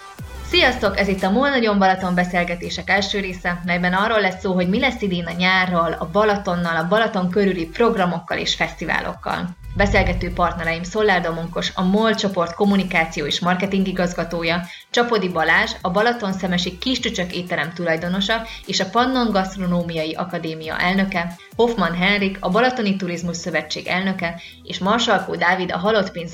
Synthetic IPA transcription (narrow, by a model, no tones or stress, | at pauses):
sijɒst̪o̞kɛzit̪ːɒmoːlnɒɟo̞ɱbɒlɒt̪o̞mbɛseːlɡɛt̪eːʃɛkɛlʃøːɾeːsɛmɛjbɛnɒrːolːɛsːoːɦo̞ɟmilɛsːid̪eːnɒɲaːrːɒlɒ̰bɒlɒt̪o̞nːɒlɒbɒlɒt̪o̞ŋkøɾylipro̞ɡrɒmo̞kːɒlḛːʃfɛst̪iva̰ːlʔo̞̰kːɒ̰lbɛseːlɡɛt̪øːpɒrt̪nɛɾɛjimso̞lːaːrd̪omoŋko̞ʃɒ̰molt͡ʃo̞po̞rt̪ko̞munikaːt̪sijoːeːʃmɒrkɛt̪iŋɡiɡɒzɡɒt̪oːjɒ | t͡ʃɒpo̞d̪ibɒlaːʒɒbɒlɒt̪o̞nsɛmɛʃikːiʃt͡ʃyt͡ʃøkeːt̪ɛɾɛmt̪ulɒjd̪o̞no̞ʃɒeːʃɒpɒnːo̞ŋɡɒst̪ro̞noːmijɒjiʔɒkɒd̪eːmijɒ̰ʔɛlnø̞kɛ | ho̞fmɒnɦɛnrikɒbɒlɒt̪o̞nit̪uɾizmuʃsø̞vɛt͡ʃːeːɡɛlnø̞kɛ | eːʃmɒrʃɒlkoːd̪aːvid̪ɒ̰ɦɒlo̞t̪peːnz